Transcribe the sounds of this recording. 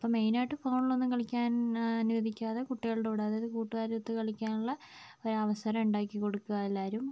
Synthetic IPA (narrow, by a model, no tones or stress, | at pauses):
ɐpːɐme̞jnaːjʈːɨfowɳilo̞nːumkɐɭikʲːaːnɐnuʋɐd̪ʱikʲːaːðekuʈːiɣɐɭɽeuɽaːðeðɨkuːʈːuɣaːɾɐut̪ːɨkɐɭikʲːaːnuɭːɐ | oɾuɐʋɐsɐɾɐmuɳɖaːkːiko̞ɽukːuɣɐelːaːɾum